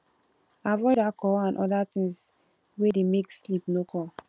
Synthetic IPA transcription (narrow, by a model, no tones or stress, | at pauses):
avɔɪdakɔãnʔɔdatĩŋs | wedemekslipnokʰɔ